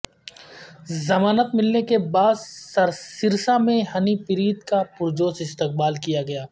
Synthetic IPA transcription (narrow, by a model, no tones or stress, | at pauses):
zɐmaːnət̪mɪlnekebaːd̪sɐɾsɪɾsamẽhɐnipɪɾiːt̪kapʊɾd͡ʒoːsɪst̪ɪq̚baːlkijaɡɐjaː